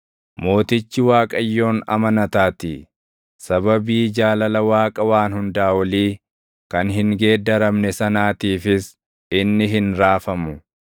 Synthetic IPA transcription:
mo̞ːt̪ɪt͡ʃːɪwaːkʼɐjːo̞ːnɐ̰mɐnɐt̪aːt̪ḭː | sɐbɐbiːd͡ʒaːlɐlɐwaːkʼɐwaːnhʊnd̪aːwɐliː | kɐnɦɪŋɡe̞ːd̪ɐɾɐmnɛsɐnaːt̪iːfɪs | ɪnːɪɦɪnɾaːfɐmʊ

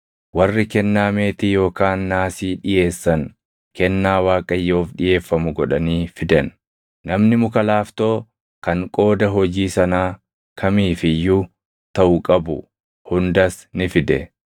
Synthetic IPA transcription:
wɐrːɪkɛnːaːme̞ːt̪ɪjo̞ːkaːnːaːsiːᶑɪje̞ːsːɐŋ | kɛnːaːwaːkʼɐjːo̞ːfᶑɪje̞ːfːɐmʊɡɔᶑɐniːfɪd̪ɛn | nɐmnɪmʊkɐlaːft̪o̞ː | kɐŋkʼo̞ːd̪ɐɦɔd͡ʒiːsɐnaː | kʰɐmiːfɪjːʊ | t̪ɐʔʊkʼɐbʊ̰ | hʊnd̪ɐs | nɪfɪd̪ɛ

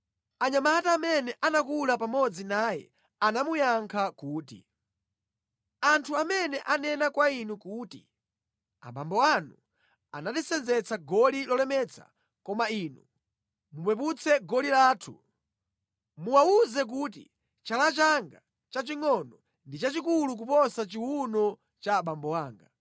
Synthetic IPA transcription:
aɲamaataːmɛnɛʔanakulapamɔd͡zinaːjɛ̰ | anamujaŋkʰakuːtḭ | antʰuamɛnɛʔanɛnakwainukuːti | a̰bambɔanu | a̰natisɛnzɛt͡sʰaɡɔlilɔlɛmɛt͡sʰa̰ | kɔmaiːnu | mupwɛp̬ut͡sʰɛɡɔlilaːtʰṵ | muwauzɛk̬uːt̬ḭ | t͡ʃalat͡ʃaŋɡa | t͡ʃat͡ʃiŋɔnɔ | ndit͡ʃat͡ʃikuluk̬upɔsat͡ʃiwunɔ | t͡ʃaːɓambɔwaːŋɡa

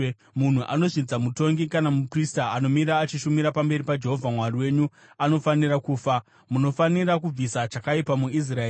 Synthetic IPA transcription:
mun̤uʔa̰no̞ʐid͡zamuto̞ŋɡikanamupristaano̞miɾaːt͡ʃiʃumiɾapambe̞ɾipad͡ʒe̞ɦo̞vʱamwariwe̞ːɲu | ano̞fanirakuːfa | muno̞fanirak̬ub͡visat͡ʃakaipamuis̬raeː

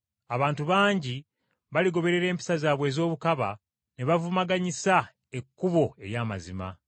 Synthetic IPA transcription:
aβaːntuβaːɲɟi | βaliɡo̞βe̞ɾe̞ɾe̞ːmpi̥sazaːβwe̞ːzo̞ːβukaβa | neβavumaɡaɲisa | ekːuβo̞e̞̰jaːma̰zima̰

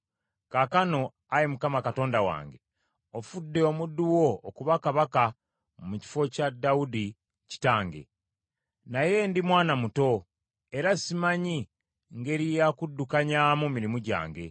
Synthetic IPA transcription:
kakano̞ | ajimukamakato̞ːndawa̰ːŋɡe̞ | ofudːe̞omudːuwo̞ːkuβakaβaka | muci̥fo̞cadaudi | ci̥taːŋɡe̞̰ | naje̞ndimwaːnamuto̞ | e̞ɾasimaɲi | ŋɡe̞ɾijakudːukaɲaːmumiɾimuɟa̰ːŋɡe̞̰

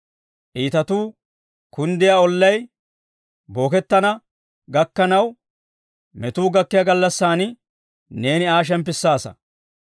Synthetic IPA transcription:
ʔiːt̪ɐt̪uː | kʊnd̪ɪjaːɔlːɐj | bo̞ːkɛt̪ːɐnɐ | ɡɐkːɐnɐw | mɛt̪uːɡɐkːɪjɐɡɐlːɐsːaːnɪ | neːnɪaːʃ̬ɛmp̬ːɪsːaːsɐ̰

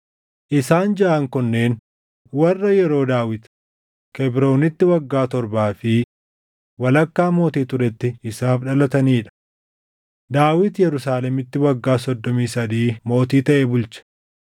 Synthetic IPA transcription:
ʔɪsaːnd͡ʒɐʔɐŋkɔnːe̞ːn | wɐrːɐjɛɾo̞ːd̪aːwɪt̪ | kɛbɾo̞ːnɪt̪ːɪwɐɡːaːt̪ɔɾbaːfɪ | wɐlɐkːaːmo̞ːt̪iːt̪ʊɾɛt̪ːɪːsaːfᶑɐlɐt̪ɐniːᶑɐ̥ | d̪aːwɪt̪jɛɾʊsaːlɛmɪt̪ːɪwɐɡːaːsɔd̪ːɔmiːsɐd̪iːmo̞ːt̪iːt̪ɐʔɛbʊlt͡ʃɐ̥

